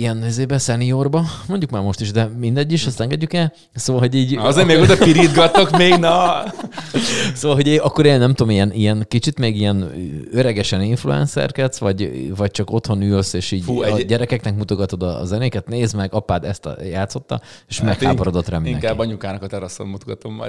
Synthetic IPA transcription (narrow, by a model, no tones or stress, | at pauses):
ijɛnizeːbɛsɛnio̞rbɒmo̞ɲɟukmaːrmo̞ʃt̪iʒd̪ɛmind̪ɛɟːiʃɒst̪ɛŋɡɛɟːykɛl | soːvɒlɦo̞ɟiːɟɒzeːɾmeːɡod̪ɒpiɾid̪ɡɒt̪ːokmeːɡnɒ | soːvɒlɦo̞ɟeːɒkːo̞ɾeːnɛmt̪oːmijɛnijɛnkit͡ʃit̪meːɡijɛnøɾɛɡɛʃɛniɱflṵɛ̰nsɛ̰rkɛsʋɒɟvɒc̚t͡ʃɒko̞t̪ho̞nyːlseːʃiːɟuɟɛɾɛkɛknɛkmut̪o̞ɡɒt̪o̞d̪ɒ̰zɛnøːkɛt̪neːzmɛɡɒpaːd̪ɛst̪jaːt̪so̞t̪ːɒ̰ | eʃmɛkhaːpoɾod̪o̞t̪rɛmiinɛ̰kaːbːɒɲukaːnɒkɒt̪ɛɾɒsommut̪oɡɒt̪omːɒ̰